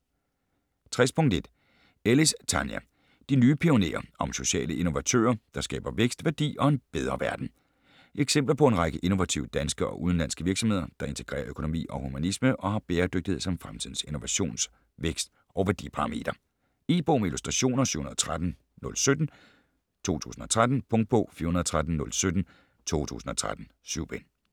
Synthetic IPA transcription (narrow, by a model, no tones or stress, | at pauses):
t͡sʰʁɛspʰɔ̽ŋd̥e̝d̥ | elist͡sʰænjæ̰ | d̥inyːpʰio̝ne̝̰ːɐʔɒ̽mso̝ɕɛ̰ːləʔe̝no̝ʋæt͡sʰø̰ːɐd̥ɑ̈sɡ̥ɛ̰ːb̥ɐʋeɡ̥sd̥ʋæɐd̥ḭːɒ̽e̝nb̥eð̞ˠʁɐʋæɐd̥n̩ | eɡ̥sem̰b̥lɐpʰɒ̽e̝nʁɑ̈ɡ̥əʔe̝no̝ʋæt͡sʰḭʊəd̥ænsɡ̥əɒ̽ʔuðˠn̩lænsɡ̥əʋiɐɡ̥sɒ̽me̝ð̞̰ˠɐd̥ɑ̈e̝nt͡sʰe̥ɡ̥ʁɛ̰ːɐøkʰo̝no̝mḭːɒ̽humænisməʔɒ̽hɑ̈b̥eːɐd̥øɡ̥d̥ihesɒ̽mfʁamt͡sʰiðˠn̩seno̝ʋæɕo̝̰ːns | ʋeɡ̥sd̥ | ʔɒʊʋæɐd̥ḭpʰɑ̈ʁme̝̰ːd̥ɐ | eb̥o̝ːmilusd̥ʁɑɕo̝̰ːnɐsy̰ʊhunɐðˠt͡sʰʁad̥n̩ | nɔ̽lsød̥n̩ | t͡sʰo̝̰ːt͡sʰṵːsn̩ɒ̽t͡sʰʁad̥n̩pʰɔ̽ŋ̥̚pʰo̰fiːɐhunɐðˠt͡sʰʁad̥n̩nɔ̽lsød̥n̩ | t͡sʰo̝̰ːt͡sʰṵːsn̩ɒ̽t͡sʰʁa̰d̥n̩ | syʊb̥en